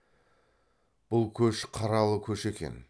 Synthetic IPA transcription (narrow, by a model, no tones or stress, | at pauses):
b̥ʊlˠkʲʰɵʃqʰɑɾɑlˠəkʲʰɵʃe̞kʲe̞̰n